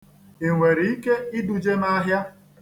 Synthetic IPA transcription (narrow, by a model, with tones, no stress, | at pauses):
e˨ŋʷe˨ɾi˨i˦ke˦i˦du˨d͡ʒe˦na˦ɦja˦